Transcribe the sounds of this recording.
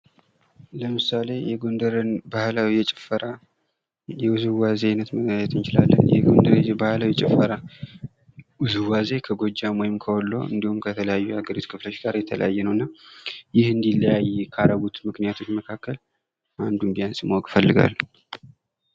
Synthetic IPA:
ləmɨsale̞jɛɡond̪əɾənbahlawijɛt͡ʃʼfəɾa | jɛwuzɨwazeajnət̪məajɛt̪ʰɨnt͡ʃɪla̰lːə̰njɛ̰ɡond̪əɾebahlawjɛt͡ʃʼɛfːəɾa | wuzɨwaze̞kʰəɡo̞d͡ʒːamwojɪmkʰəwɔlːo̰ɨ̰nd̪ihumkʰət̪ʰələjajːuhaɡəɾit̪kʰɨflo̞t͡ʃɡaɾjɛt̪ʰələ̰jajːɛnəwɨnːajɪhɨnd̪ilːəjajkʰaɾaɡut̪mɨknijat̪ʰo̞t͡ʃːməkʰakːəl | ʔand̪umbijansɪmːwkʼfəlːɨɡa̰l

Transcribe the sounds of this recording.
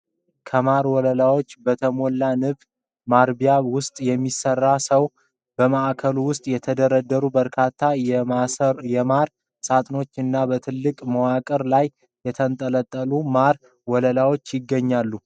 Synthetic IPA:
kʰəmaɾwɔləlawo̞t͡ʃːbət̪ʰəmo̞lːanɨβ | maɾbijaβwʊst̪ʼjɛmːisərːasəw | b̥əmaʔkʰəluwʊst̪ʼjɛt̪ʰəd̪əɾəd̪ːəɾubəɾkʰat̪ʰːa | jɛmaɾ | sʼat̪ʼno̞t͡ʃːɨnːabət̪ʰɨlːɨkʼməwakʼəɾlaj | jɛt̪ʰənt̪ʼələt̪ʼːəlumaɾ | wɔləlawo̞t͡ʃːjɪɡːəɲːalːu

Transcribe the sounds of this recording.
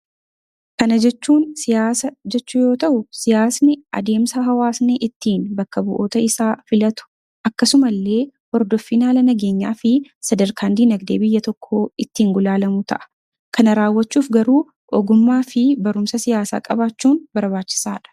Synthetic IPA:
kɐnɐd͡ʒɛt͡ʃːuːnsɪjaːsɐd͡ʒɛt͡ʃːʊjo̞ːt̪ɐʔʊsɪjaːsnɪʔɐ̰d̪e̞ːmsɐɦɐwaːsneːʔɪt̪ːiːnbɐkːɐbʊʔo̞ːt̪ɐɪsaːfɪlɐt̪ʊ̥ | ɐkːɐsʊmɐlːe̞ːhɔɾd̪ɔfːiːnaːlɐnɐɡe̞ːɲːaːfɪsɐd̪ɐɾkʰaːnd̪iːnɐɡd̪eːbɪjːɐt̪ɔkʰːo̞ːɪt̪ːiːŋɡʊlaːlɐmʊt̪ʰɐ̰ʔɐ̥ | kɐnɐɾaːwːɐt͡ʃːuːfɡɐɾuː | ʔɔɡʊmːaːfɪbɐɾʊmsɐsɪjaːsa̰ːkʼɐ̰baːt͡ʃːuːnbɐɾbaːt͡ʃːɪ̥saːᶑɐ̥

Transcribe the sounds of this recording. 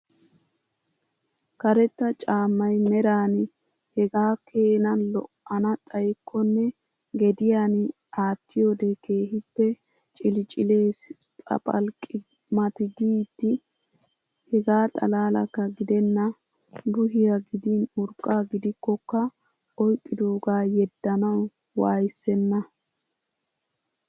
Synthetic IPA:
kɐɾɛt̪ːɐt͡ʃʼaːmːɐjmɛɾaːn | hɛɡaːkʰe̞ːnɐnlɔ̰ʔɐnɐt̪ʼɐjɪkʰːɔnːɛ | ɡɛd̪ɪjaːn | aːt̪ːɪjoːd̪ekʰe̞ːɦɪpːɛ | t͡ʃʼɪlt͡ʃʼɪle̞ːs | pʼɐ̰pʼɐ̰lkʼɪ | mɐt̪ɪɡiːt̪ːɪ | hɛɡaːt̪ʼɐ̰laːlɐ̰kːɐɡɪd̪ɛnːɐ | bʊɦɪjaɡɪd̪iːnʊɾkʼːaːɡɪd̪ɪkːɔkːɐ | ʔɔjkʼːɪd̪uːɡaːjɛd̪ːɐnɐw | waːjɪsːɛnːɐ

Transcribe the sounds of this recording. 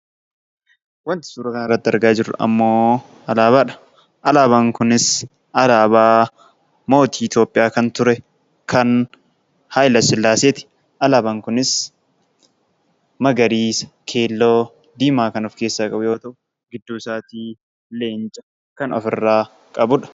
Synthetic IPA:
wɐnt̪ɪ̥suːɾɐkɐnɐrːɐt̪ːɪɐ̰ɾɡaːd͡ʒɪɾʊ̰ɐ̰mːoː | ɐlaːbaːᶑɐ̥ | ʔɐlaːβaŋkʊnɪs | ʔɐlaːbaː | mo̞ːt̪iːɪt̪jo̞ːpʼɪjaːkɐnt̪ʊɾɛ | kʰɐn | hajlɐsɪlːaːseːt̪ɪ̥ | ʔɐlaːbaŋkʊnɪs | mɐɡɐɾiːsɐ̥kʰe̞ːlːoː | d̪iːmaːkɐnʊfke̞ːsːaːkʼɐbʊjo̞ːt̪ɐʔʊ | ɡɪd̪ːuːsaːt̪iː | leːnt͡ʃʼɐ̥ | kɐnɔ̰fɪrːaː | kʼɐbʊᶑɐ̥

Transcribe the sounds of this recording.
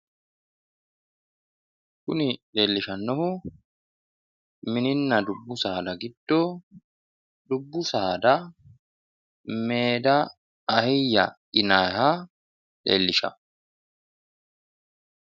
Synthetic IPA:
kʊnɪᶑe̞ːlːɪʃɐnːɔhʊ | mɪnɪnːɐd̪ʊbːʊsaːd̪ɐɡɪd̪̥ːoː | d̪ʊbːʊsaːd̪ɐ | meːd̪ɐː | hɪjːɐ̰ʔɪnaha | ᶑḛːlːɪʃɐ̰

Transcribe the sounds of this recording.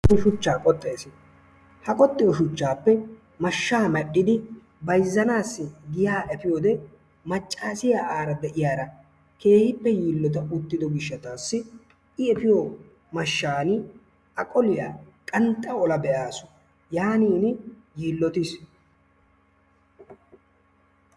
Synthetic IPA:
ʃʊt͡ʃːaːkʼɔt̪ʼːe̞ːsɪ | hɐkʼɔt̪ʼːɪjɔʃʊt͡ʃːaːpːɛ | mɐʃːaːmɐʔʼːɪd̪ɪ | bɐjzːɐnaːsːɪɡɪjaːʔɛpɪjoːd̪ɛ | mɐt͡ʃʼːaːsɪjaːʔaːɾɐd̪ɛʔɪjaːɾɐ | ke̞ːhɪpːɛjiːlːɔt̪̬ɐʊt̪ːɪd̪ɔɡɪʃːɐt̪aːsːɪ | ɪɛpɪjoː | mɐʃːaːnɪ | ɐkʼɔlɪja̰ːkʼɐnt̪ʼːɐɔlɐbɛʔaːsʊ̥ | jaːniːnɪ | jiːlːɔt̪ɪs

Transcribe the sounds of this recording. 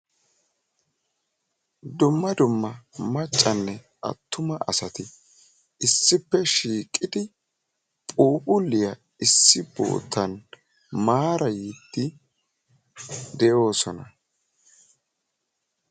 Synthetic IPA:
d̪ʊmːɐd̪ʊmːɐmɐt͡ʃʼːɐnːɛ | ʔɐ̰t̪ːʊmɐʔɐsɐt̪ɪ | ɪsːɪpːɛʃiːkʼːɪd̪ɪ | pʼuːpʼʊlːɪjɐ | ɪsːɪbo̰ːt̪ːɐn | maːɾɐjid̪̥ːɪ | d̪ɛjo̞ːsɔnɐ

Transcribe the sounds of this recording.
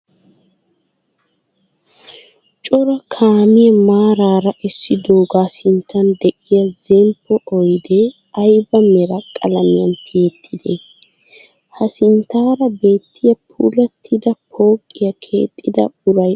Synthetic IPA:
t͡ʃʼɔɾɐkʰaːmɪjɛmaːɾaːɾɐʔɛsːɪd̪oːɡaːsɪnt̪ʰːɐnd̪ɛʔɪjɐzɛmpːɔʔɔjd̪ɛ | ɐjbɐmɛɾɐkʼɐ̰lɐmɪjɐnt̪ʰɪɛt̪ʰːɪd̪e | hɐsɪnt̪aːɾɐbe̞ːt̪ːɪjɐpʰṵːlɐt̪ʰːɪd̪ɐpʰoːkʼːɪjɐkʰʼːe̞̰ːt̪ʼːɪd̪ɐ̰bʊɾɐj

